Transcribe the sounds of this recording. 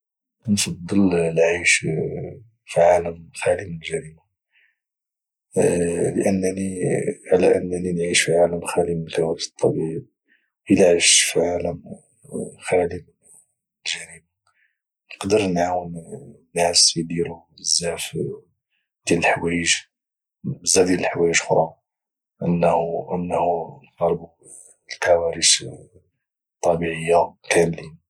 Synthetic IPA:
nfɑd̪ˤːəllʕiʃ | fiʕaləmxæliməlʒæɾima | ləʔənːniʕalæʔənːninʕiʃfiʕaləmxælimltawæt̪ˤːɑ̰bib | ʔilʕiʃfiʕaləm | xælim | lʒæɾima | nəqd̪əɾnʕawənnːæsid̪iɾu | əzːæf | d̪jæləlħwæjəʒ | bəzːæfd̪æləlħwæjəʒxɾˤɑ | ʔənːhənːhunqɑɾˤbu | lkæwæɾis | t̪ˤːɑbiʕəjːakʰæmli

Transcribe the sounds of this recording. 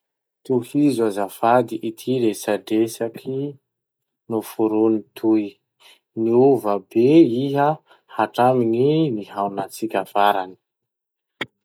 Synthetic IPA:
t̪uhizuazafad̪iʔit̪ʰiɾesaɖ͡ʐesakʰi | nufuɾunit̪ʰuj | niuvabeiɦə | haʈ͡ʂamininiɦawnat͡sikʲafaɾani̥

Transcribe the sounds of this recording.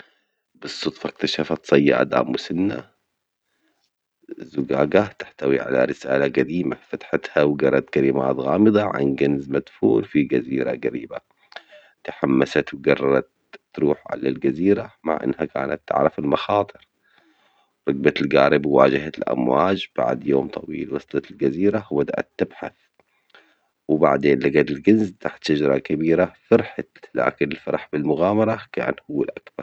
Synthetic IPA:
bɨsˤːʊt̪ˤfɑk̚t̪aʃafat̪sˤɑjːa̰ʔa̰d̪a̰ːmwʊsɪnːa̰ | zʊɡaːɡat̪ḁħt̪awiʕa̰la̰ɾɪsa̰ːlaɡad̪iːmafat̪ħat̪hawɡɑɾˤɑt̪kalɪma̰ːt̪ɣaːmɨðˤɑʕa̰nɡanzmad̪fuːlfiɡaziːɾa̰ɡaɾiːba | t̪aħamːasat̪wɡɑrˤːɑɾˤɑt̪ː | ɾuːħʕa̰lalɡaziːɾama̰ʕʔɪ̰nːhaka̰ːna̰t̪ːɪ̰ʕɾˤɑfɪlmɑxɑːt̪ˤɨɾ | ɾˤɑɡ̚bat̪ɪlɡaːɾɪbwaːd͡ʒɪhat̪ɪlʔa̰mwaːd͡ʒb̥a̰ʕd̪joːmt̪ˤʰɑwḭːlwɑst̪ˤɑt̪ɪlɡaziːɾabad̪aʔa̰t̪ːɪbħa̰θ | wba̰ʕd̪eːnlaɡat̪ɪlɡɪnzt̪aħt̪ʃad͡ʒɾˤɑkabiːɾafɑɾħat̪la̰ːkɪnɪlfɑɾˤɑħbɪlmʊɣaːmɑɾˤɑka̰ːnhʊwːalʔakbɑɾˤ

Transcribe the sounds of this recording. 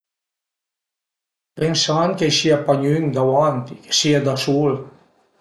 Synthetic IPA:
pensankejsiapaɲyŋd̪awant̪ike̥siad̪asul

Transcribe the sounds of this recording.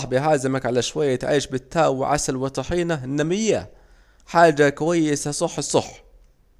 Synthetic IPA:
ħbɪɦaːzamakʕalaʃwajːat̪ʕiːʃbɪt̪ʰːaːwɪ̰ʕa̰salwɪt̪ˤɑħiːnaɪnːamɪjːa | ħaːd͡ʒakwajːɪsasˤɑħːsˤɑħ

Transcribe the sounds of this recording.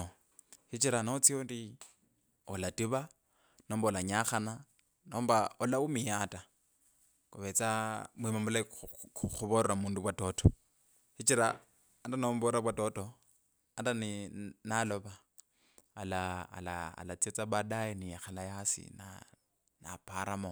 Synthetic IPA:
hit͡ʃiɾanot͡siondi | ɔlatiβa | nɔːmbaɔlaɲaχana | nɔːmbaɔlaumijata | kuβɛt͡samwimamula | xuβɔɾɾamuːnduβwatɔːtʰɔ | hit͡ʃiɾa | andanombɔɾabwatɔtɔ | andannalɔβaː | laa̰la̰ːlat͡siɛt͡sabadainijaxalajasḭna̰ | na̰pʰaɾamɔ

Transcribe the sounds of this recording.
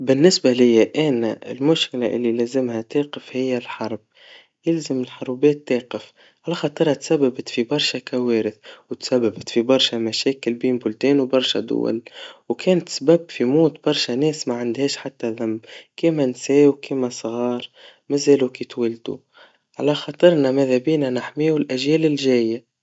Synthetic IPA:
bɪnːɪsbalɪjːaʔænaɪ̰lmʊʃkɪlaʔɪlːilæːzɪmhæt̪eːqɪfhɪjːalħɑɾˤb̚ | jɪlzamɪlħʊɾˤbɛːt̪ːeːqɪf | ʕalaxɑːt̪ˤɨɾˤhat̪sabːabat̪fibɑɾˤʃakaweːɾɪθwt̪sabːabat̪fibɑɾˤʃamaʃɛːkɪlbeːnbʊlt̪eːnwbɑɾˤʃa̰d̪ʊ̰wa̰lwkʰɛːnt̪sbabfimuːt̪b̥ɑɾˤʃænɛːsmaʕand̪hɛːʃħat̪ːæðamːkiːmænsɛːwkiːmæsˤɣɑːɾˤ | mæzæːlukiːt̪wɪld̪ṵ | ʕalæxɑt̪ˤɨɾˤnamæðæbiːnanaħmiːwɪlʔæʒjæːlɪlʒæːjːa

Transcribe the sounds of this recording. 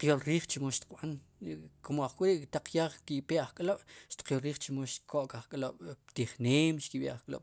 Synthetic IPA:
qjolɾiːχt͡ʃimoʃt̪i̥qɓan | komoaχkʼiɾiʔkt̪aq͡χjaːχkipeʔaχkʼloɓ̥ʃt̪i̥q͡χqjolɾiːχt͡ʃimoʃkʰoʔkaχkʼloɓ̥t̪iχneːmʃkiɓeʔaχkʼlo̰ɓ̥

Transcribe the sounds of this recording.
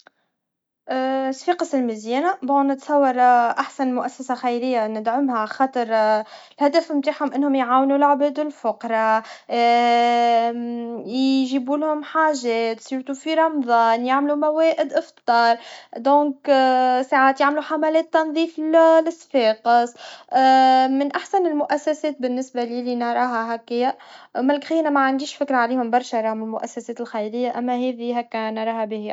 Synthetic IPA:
ʔsfiːqəsɪlmɪzjɛːnabonːɪt̪sˤɑwːɑɾˤʔaħsanmʊʔæsːæsaxajlɪjːanɪd̪ʕʊmhaʕxɑːt̪ˤəɾˤ | lhæd̪æfmt̪aːħhʊmʔɪnːhʊmjʕaːwnulʕbɛːd̪ɪlfʊqɾˤɑ | jʒibuːlhʊmħaːʒɛːt̪siɾt̪ufiɾˤɑmðˤɑːnjaʕmlumæwɛːʔɪd̪ʔɪft̪ˤɑːɾˤd̪õːksaʕaːt̪jaʕmluħamælɛːt̪ːɑnðˤiːfllɪsfeːqɪs | mɪnʔaħsænɪlmʊʔæsːæsɛːt̪̚bɪnːɪsbaliːlinɑɾˤɑːɦaɦækːɪjːamælkxiːnamaʕand̪iːʃfɪkɾˤaʕaleːhʊmbɑɾˤʃaɾˤɑːhʊmɪlmʊʔæsːæsɛːt̪ɪlxajɾɪjːaʔæmːæɦɛːðiɦækːænɑɾˤɑːɦabih

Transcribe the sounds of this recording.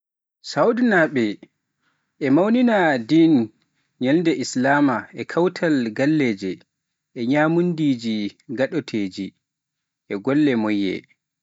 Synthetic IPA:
sawdnaɓɛ | ʔɛmawninadin | ɲɛlndɛʔislaːmaʔɛkʰawtʰalɡalːeːd͡ʒɛ | ʔɛɲaːmundid͡ʒiɡaɗɔtʰeːd͡ʒi | ʔɛɡɔlːɛmɔjːɛ̰

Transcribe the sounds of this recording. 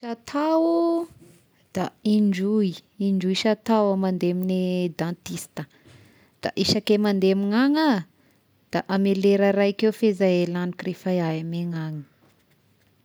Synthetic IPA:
ʃat̪ʰawu | d̪̥aiɳd͡ʒuiiɳɖ͡ʐujʃat̪awamand̪emined̪ãnt̪ist̪ə | d̪̥a̰ʔiʃakemand̪emiŋaŋə | d̪̥aʔameleɾəɾajkefezaelanikrefajaameŋaŋə̥

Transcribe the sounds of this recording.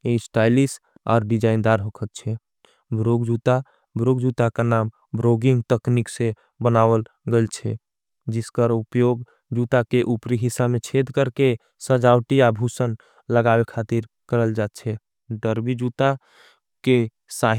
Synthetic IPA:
esʈajlis | a̰ːɾɖid͡ʒaind̪aɾɦokʰət̪̚t͡ʃʰɛ | bɾoɡd͡ʒut̪a | bɾoɡd͡ʒut̪akanam | bɾoɡiŋɡt̪əkniksẽ | bənaβəlɡelt͡ʃʰɛ | d͡ʒiskəɾupjoɡ | d͡ʒut̪akeʔupɾiɦisabmet͡ʃʰed̪ʱkəɾke | səd͡ʒawʈijabʱusən | ləɡabekʰat̪iɾ | kəɾəld͡ʒat̪̚t͡ʃʰɛ | ɖəɾbid͡ʒut̪a | ke | sa

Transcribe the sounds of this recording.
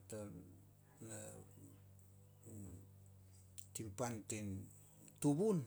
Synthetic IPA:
ta | na | timpanten | tuβun

